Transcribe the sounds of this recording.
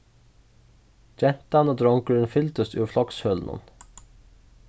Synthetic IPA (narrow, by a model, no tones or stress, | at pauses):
d͡ʒɛnt̪ɑnoːd̪ɾɔŋkʉɛnfʏlt̪əst̪ʉːflɔkshœlnʔɔ̰n